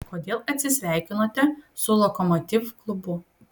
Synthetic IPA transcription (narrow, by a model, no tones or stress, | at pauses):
koːd̪ʲeːlˠɐt̪ʲsʲɪsʲʋʲæˑɪkʲɪnoːt̪ʲɛsʊlˠɔkɔmɔt̪ʲɪʋklˠʊbʊ